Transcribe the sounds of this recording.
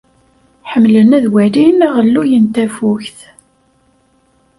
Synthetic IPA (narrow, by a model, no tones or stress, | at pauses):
ħəmːlənæðwælinæʁəlːujənt̪æfuçθ